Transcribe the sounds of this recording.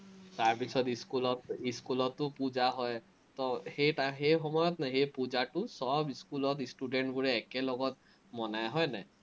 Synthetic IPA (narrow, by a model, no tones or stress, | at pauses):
taɹpisɔtiskulɔtiskulɔtːʊpud͡ʒaɦɔj | tɔhejtaxejxɔmɔjɔtnajɦejpud͡ʒatʊsɔbiskulɔtistudɛnʈbuɹɛːkɛlɔɡɔt̚ | mɔnajɦɔjnɛ